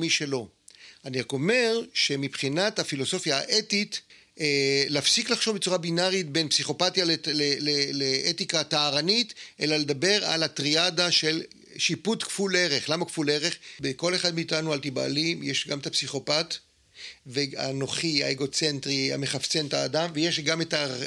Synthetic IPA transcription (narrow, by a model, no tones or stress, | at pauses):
miʃe̞lo̞ | aniʁako̞me̞ʁʃe̞mipχinathafilo̞so̞fjaːʔetit | leːfsiklaχʃo̞vbet͡suʁabinaʁitbe̞npsiχo̞patjaleleleleʔetikataːʁanitʔe̞lale̞d̪abe̞ʁa̰latʁiadaʃe̞l | ʃiputkfuleʁeχlamakfule̞ʁeχbekoleχad̪miːtanualt̪iba̰limjeʃɡametapsiχo̞pat | vea̰no̞χia̰eɡo̞t͡se̞ntʁia̰me̞χaft͡se̞ntaːdamvejeʃɡameta